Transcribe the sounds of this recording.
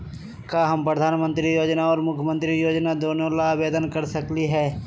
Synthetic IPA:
kaɦɐmpɾəd̪ʱaːnmə̃nt̪ɾijoːd͡ʒnaɔːɾmʊkʰjəmə̃nt̪ɾijoːd͡ʒnad̪oːnolabeːd̪ənkəɾsɐkliɦɛː

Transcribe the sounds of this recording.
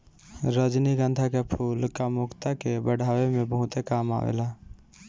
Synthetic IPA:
ɾəd͡ʒniɡə̃nd̪ʱakepʰuːlkamukt̪akebəɽʱaːwemẽbəɦʊt̪ekaːma̰ːʋḛla

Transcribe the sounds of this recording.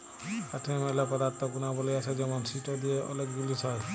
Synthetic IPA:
kaʈʰemelapɔd̪aɾt̪ʰɔkunabɔlijat͡ʃʰed͡ʒɛmɔnsiʈod̪ieʔɔ̰lek̚ɡulisɔe

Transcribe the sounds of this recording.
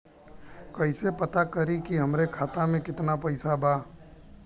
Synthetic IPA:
kɐɪsepɐt̪akɐɾikiɦɐmɾekʰaːt̪amẽkɪt̪napɐɪsabʱaː

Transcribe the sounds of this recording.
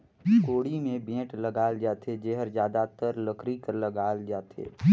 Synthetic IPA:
koːɽimẽbẽːʈləɡaːld͡ʒaːt̪ʰed͡ʒeɦəɾd͡ʒjaːd̪at̪əɾləkɾikəɾləɡaːld͡ʒaːt̪ʰḛː

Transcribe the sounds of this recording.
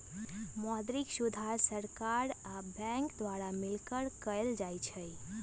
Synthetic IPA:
mɔd̪ɾiksud̪ʱaɾsəɾkaɾabɛ̃ŋkd̪ʋaɾamɪlkəɾkəjld͡ʒajt͡ʃʰəj

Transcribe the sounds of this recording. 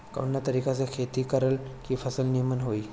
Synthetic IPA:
kə̰njat̪əɾikat͡sekʰet̪iːkəɾəlkĩːfʰəsəlnimənɦoiː

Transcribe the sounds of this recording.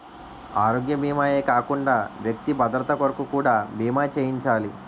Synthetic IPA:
aːɾoːɡjɐbiːmaːe̞ːkaːkuɳɖaːʋjɐk̚t̪ibɐd̪ɾɐt̪ɐkɐɾɐkukuːɽaːbiːmaːt͡ʃeːjiɲt͡ʃaːli

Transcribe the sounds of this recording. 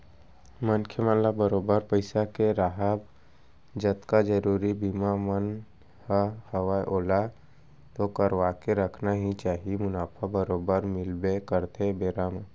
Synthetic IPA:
mənkʰjəmənlabəɾoːbəɾpəɪsakeɾaɦəb | d͡ʒət̪kad͡ʒəɾuːɾibimamən | həhəwaʔoːla | t̪okəɾʋaːkeɾəkʰnaɦit͡ʃaːɦiemʊnaːpʰabəɾoːbəɾmɪlbekəɾt̪ebeːɾaːm

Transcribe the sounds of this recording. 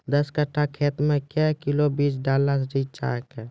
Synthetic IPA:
d̪əskəʈʰːakʰeːt̪mẽkɛkɪlobiːsɖaːləɾsɾit͡ʃa̰ːkɛ

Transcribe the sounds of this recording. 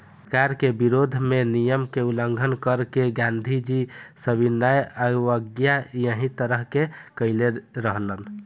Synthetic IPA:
kaɾkebiɾod̪ʱmenijəmkeuləŋɡʱənkəɾkeɡãnd̪ʱid͡ʒisəbinːajəʋəɡjajəɦĩt̪əɾəɦkekəɪleɾəɦlən

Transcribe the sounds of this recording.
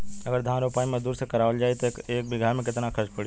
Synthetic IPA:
ɐɡəɾd̪ʱaːnɾoːpaːimẽd̪uːɾsekɐɾaːʋəld͡ʒaːit̪okeːk̚bɪɡʱaːmẽkɪt̪nakʰɐɾʃpɐɽi

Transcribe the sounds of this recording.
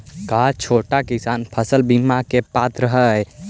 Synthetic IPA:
kat͡ʃʰoːʈakisaːnpʰəsəlbimakepat̪ɾəɦəj

